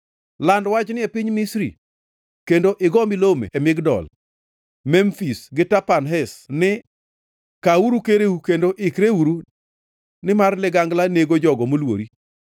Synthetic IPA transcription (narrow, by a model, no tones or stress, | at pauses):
landwat͡ʃnɪepɪɲmɪsɾḭ | kendoʔɪɡɔmɪlomḛemɪɡdɔ̰l | mɛmfisɡɪtapanɦɛsnɪ | kauɾukeɾeukendoʔɪkɾeuɾu | nɪmarlɪɡaŋɡlaneɡod͡ʒɔɡɔmolwo̰ɾi